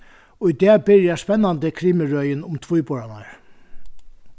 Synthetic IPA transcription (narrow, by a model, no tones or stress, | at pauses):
ʊjd̪ɛːbɪɹjaspɛnːant̪əkʰɾiːmɪɹœjɪnʊmt̪ʰv̥ʊjbɔɹana̰ɹ